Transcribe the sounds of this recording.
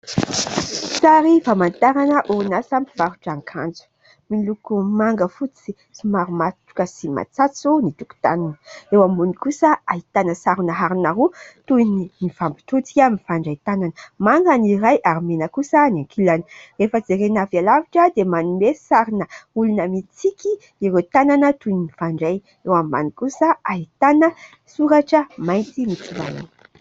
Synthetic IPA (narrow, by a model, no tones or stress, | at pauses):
saɾifamant̪aɾanəʔuunasamiv̥aɾuʈ͡ʂaŋkʰa̰nd͡zu̥ | milukumaŋɡəfut͡si | simaɾumat̪u̥kəsima̰t͡sat͡sunit̪u̥ku̥t̪anunəewamunikusəaɦit̪anəsaɾunəɦaɾinaɾut̪uininifambi̥t̪ut͡si̥kʲamifaɳɖ͡ʐait̪ananəmaŋɡaniɾajʔaɾimenəkusənaŋkʰilani̥refəd͡zeɾenavjalaviʈ͡ʂəd̪emanumesaɾinəulunəmit͡sikʲi | iɾet̪ananət̪uninifaɳɖ͡ʐaj | ewamba̰nikusəaɦit̪anə | suɾaʈ͡ʂəmajnt̪imit͡sila̰la̰ni̥